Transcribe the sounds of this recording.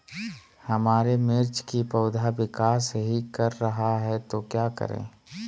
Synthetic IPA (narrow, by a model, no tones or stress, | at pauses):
hɐmaːɾemɪɾt͡ʃkipɐʊd̪ʱaʋɪkaːsɦikɐɾːɐɦaɦɛt̪okjaːkə̰ɾḛ̃ː